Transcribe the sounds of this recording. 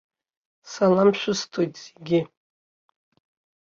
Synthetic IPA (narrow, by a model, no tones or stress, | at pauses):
salamʃʷᶣʊstʰojtʼz̥eɡʲɪ